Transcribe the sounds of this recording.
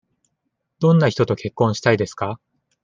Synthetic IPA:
d̪̥õ̞nːaçi̥t̪o̞t̪o̞ke̞kːõ̞ɰ̃ɕi̥t̪aid̪e̞sɨ̥ka

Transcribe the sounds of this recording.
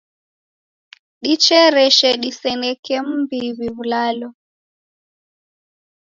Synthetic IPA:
ɗit͡ʃɛɾɛʃɛɗisɛnɛkɛm̩biβiβulalɔ

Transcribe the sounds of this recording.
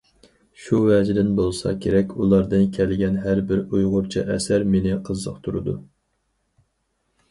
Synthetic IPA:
ʃuwɛd͡ʒd̪ɪnbolˠsɑ̰kʲʰeɾɛkʲʰulˠɑɾd̪ɨnkʲʰɛlɪɡʲɛnɦæɾbɪɾujʁʊɾt͡ʃʰḭʔɛsæɾmenɪqʰəzːə̰qt̪ʰuɾɨd̪u

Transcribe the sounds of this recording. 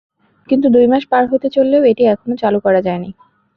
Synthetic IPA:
kint̪̬ud̪ujmaʃpaɾɦot̪et͡ɕolːeoeʈiɛkʰonot͡ɕalukɔɾad͡ʑaeni

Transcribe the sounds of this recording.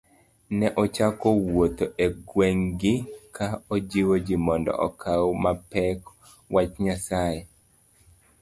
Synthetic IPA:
nɛʔɔt͡ʃakowot̪oʔeɡweŋɡɪkʰaod͡ʒiwod͡ʒimɔndɔ̰ʔɔkʰawomapɛk | wat͡ʃɲasaje

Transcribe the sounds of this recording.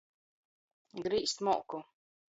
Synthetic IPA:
ɡɾiːst̪mɔːku

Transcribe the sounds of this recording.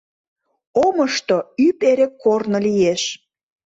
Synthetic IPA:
oməʃt̪oypeɾekʰːornolijeʃ

